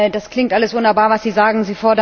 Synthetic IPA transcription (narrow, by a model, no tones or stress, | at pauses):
d̥askl̥ɪŋktʔaləsvʊndɐbaːɐvasz̥iːzaːɡŋ̩ziːfɔɐdɐ